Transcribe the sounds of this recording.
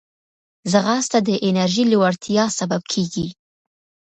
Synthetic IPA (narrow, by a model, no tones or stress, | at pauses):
zəɣɑst̪ad̪əʔɪnaɾʒilɪwaɾt̪ʰijɑsabab̚kʰeɡi